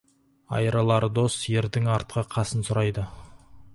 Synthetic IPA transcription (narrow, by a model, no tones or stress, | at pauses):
ɑ̰jɾɑlˠɑɾd̪o̞sje̞ɾd̪ɪŋɑɾt̪̚qʰəqʰɑsənsʊɾɑjd̪ə